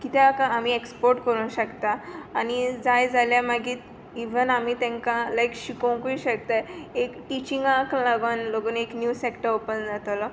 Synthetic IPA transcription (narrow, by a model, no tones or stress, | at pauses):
kit̪ʰakaamiːekspoɾʈkəɾunɕəkt̪aːnid͡zajd͡zaljamaɡiːt̪ | iʋənamiːt̪ɛ̃ŋkalaikɕikəw̃kuiɕək̚t̪aekʈit͡ɕĩŋɡaklaɡonloɡəneknjusekʈəɾopənd͡zat̪lɔ